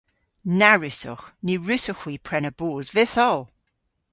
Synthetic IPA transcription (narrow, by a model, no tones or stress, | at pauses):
naɹɪsɔ̰xniɹʉsɔxwipʰɹɛnəbuːzvɪθɔw